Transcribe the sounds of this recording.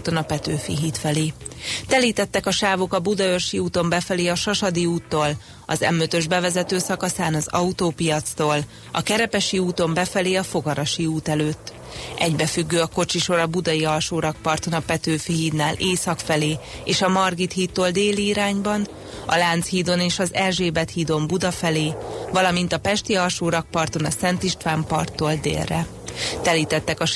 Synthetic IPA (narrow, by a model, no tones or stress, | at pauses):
t̪onɒpɛt̪øːfḭɦiːt̪fɛleːt̪ɛliːt̪ɛt̪ːɛkɒʃaːvokɒbud̪ɒørʃiuːt̪o̞mbɛfɛleːɒʃɒʃɒd̪iuːt̪ːoːl | ɒzɛ̰møt̪ø̞ʒbɛvɛzɛt̪øːsɒkɒsaːnɒzɒut̪oːpijɒt̪st̪oːl | ɒ̰kɛɾɛpɛʃiuːt̪o̞mbɛfɛleːɒfo̞ɡɒɾɒʃiuːt̪ɛløːt̪ː | ʔɛɟbɛfyɡːøːɒko̞t͡ʃiʃo̞ɾɒbud̪ɒiɒlʃoːɾɒk̚pɒrt̪o̞nɒpɛt̪øːfiɦiːd̪naːleːsɒkfɛleːeːʃɒmɒrɡit̪hiːt̪ːoːld̪eːliːɾaːɲbɒn | ɒ̰laːnt̪shiːd̪o̞neːʃɒzɛlʒeːbɛt̪hiːd̪o̞mbud̪ɒfɛleːvɒlɒmin̪t̪ɒpɛʃt̪iɒlʃoːɾɒk̚pɒrt̪o̞nɒsɛnt̪iʃt̪ʋaːmpɒrt̪ːoːld̪ḛːlrɛ̰ | t̪ɛliːt̪ɛt̪ːɛkɒ